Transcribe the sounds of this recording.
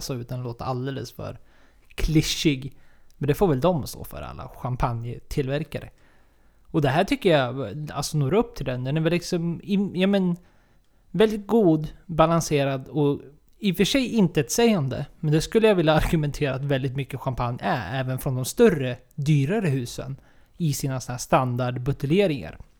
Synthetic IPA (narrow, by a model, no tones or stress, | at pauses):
sɔʉ̟ːt̪anloːt̪əɾald̪eːlə̰sfœ̰ɾ | kʰlɪʂːɪɡmɛnd̪ɛfoːɾvɛld̪ɔmst̪o̰ːfœ̰ɾa̰lːa̰ɧampʰanjət̪ʰɪlvæɾkaɾə̰ | ɔd̪ɛɦæːʈʰʏkːəjaa̰lsɔnoːɾaɵp̚ːt̪ʰɪld̪ɛnd̪ɛnɛɾvɛlːɪksɔmɪjamɛn | vɛld̪ɪt̪̚ɡuːd̪balanseːɾad̪ɔ | ɪfœʂɛjɪnt̪əɛt̪sɛjand̪ə̰mɛnd̪ɛskɵlːəjavɪlːaaɾɡɵmɛnt̪ʰeːɾaːt̪vɛld̪ɪt̪mʏkːəɧampʰanjæ̰ɾɛːvənfɾɔnd̪ɔmst̪œrːə | d̪yːɾaɾəɦʉ̟ːsə̰n | ɪsiːnasɔnhæːʂst̪and̪aɖbɵt̪əleːɾɪŋa̰ɾ